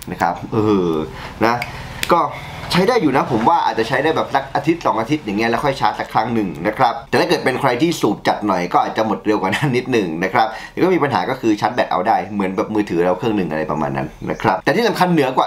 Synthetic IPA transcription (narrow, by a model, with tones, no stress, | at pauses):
na˦˥kʰɾa̰˦˥p̚ʔɤː˧˩˧ | na˦˥ | kɔː˥˩ | t͡ɕʰa˦˥jdaː˥˩jːuː˨˩na˦˥pʰo˩˦mwaː˥˩ʔa̰ː˨˩t̪̚t͡ɕa˨t͡ɕʰa˦˥jdaː˥˩jbɛː˨˩p̚la˦˥k̚ʔaː˧t̪ʰi˦˥t̪̚sɔː˩˦ŋʔaː˧t̪ʰi˦˥t̪̚ja˨˩˦ŋːi˦˥ɐlɛ˦˥kʰɔ˥˩jt͡ɕʰa˦˥t̪̚sa˨˩kʰɾa˦˥ŋnɯ˨˩ŋna˦˥kʰɾa˦˥p̚t̪ɛː˨˩aː˥˩ɤː˨˩t̪̚pe˧nkʰɾa˧jt̪ʰiː˥˩suː˨˩t̪̚t͡ɕa˨˩t̪̚nɔ˨˩jkɔː˥˩ʔaː˨˩t̪̚t͡ɕa˨˩mo˨˩t̪̚ɾe˧wkwaː˨˩na˦˥nːi˦˥t̪̚nɯ˨˩ŋna˦˥kʰɾa˦˥p̪̚ɛː˨˩kɔ˥˩miː˧pa˧nɦaː˩˦kɔː˥˩kʰɯː˧t͡ɕʰa˦˥t̪̚bɛː˨˩k̚ʔa̰˧wdaː˥˩jmɯ˨˩˦ənbɛː˨˩p̚mɯː˧t̪ʰɯː˩˦ɾa˧wkʰɯ˥˩əŋnɯ˨˩ŋʔa˧ɾa˧jpɾa̰˧ma̰ː˧nːa̰˦˥nːa̰˦˥kʰɾa˦˥p̚t̪ɛ˨˩t̪ʰiː˥˩sa˨mŋkʰa˧nːɯ˨˩˦ɐkwaː˨˩